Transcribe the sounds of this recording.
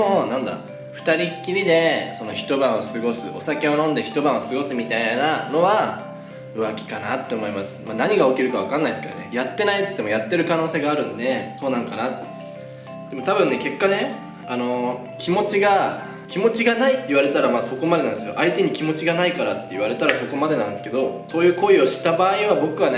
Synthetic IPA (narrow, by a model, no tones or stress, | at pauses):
onãnd̪a̰ | ɸɯ̟̥t̪aɾʲikʲːiɾʲid̪e̞so̞no̞çi̥t̪o̞bãɰ̃osɨɡo̞sɨo̞sake̞o̞nõ̞nd̪e̞çʲi̥t̪o̞bãɰ̃osɨɡo̞sɨmʲit̪ainano̞βa | ɯ̟βakʲi̥kanat̪ːe̞omo̞imasɨ̥manaɲ̟iɡao̞kʲiɾɯ̟kaβ̞akãnːaisɨ̥kaɾa̰ne̞̰jat̪ːe̞nait̪e̥t̪ːemo̞jat̪ːe̞ɾɯ̟kano̞ːseːɡaːɾɯ̟̃nd̪e̞so̞ːnãŋkanat̪ː | d̪̥e̞mo̞t̪abɯ̟̃nːeke̞kːane̞ | ano̞ | kʲʰimo̞t͡ɕiɡa | kʲimo̞t͡ɕiɡanait̪ːei̟βaɾe̞t̪aɾamaso̞ko̞mad̪e̞nãnd̪sjo̞̰ʔait̪e̞ɲ̟ikʲimo̞t͡ɕiɡanaikaɾat̪ːe̞iβ̞aɾe̞t̪aɾaso̞ko̞mad̪eãnd̪eske̞d̪o̞so̞ːjɯ̟ːko̞io̞ɕi̥t̪abaːiβabo̞kɯ̟βane